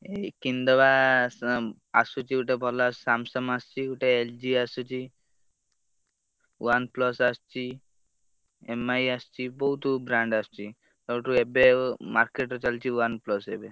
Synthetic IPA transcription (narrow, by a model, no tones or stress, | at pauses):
ekind̪ɔba | asut͡ʃʰiuʈebʱɔlasamsɔmast͡ʃʰiuʈeeld͡ʒiasut͡ʃʰi | wanplɔsast͡ʃʰi | emajast͡ʃʰibɔɦut̪ubɾaɳɖast͡ʃʰi | t̪ɔʈuebemaɾkeʈɔt͡ʃalt͡ʃʰiwanplɔsebe